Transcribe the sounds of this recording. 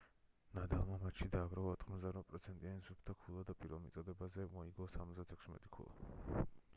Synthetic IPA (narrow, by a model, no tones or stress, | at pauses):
nad̪ɛlˠmamat̪ʃid̪aːɡɾavaɔt̪ʰχmɔzd̪aɾvapʼɾɔt̪sʰɛnt̪ʼianisupʰt̪ʰakʰulˠad̪apʼiɾvɛlˠmit̪sʼɔd̪ɛbazɛmɔiɡɔsamɔt̪d̪at̪ʰɛkʰsmɛ̰t̪ʼi̥kʰṵlˠa̰